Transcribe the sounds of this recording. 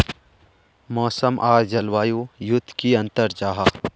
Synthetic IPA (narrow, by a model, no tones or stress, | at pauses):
mɔːsəmʔaːɾd͡ʒɐlwaːjujʊd̪ʰʱkiɐ̃nt̪əɾd͡ʒaːɦa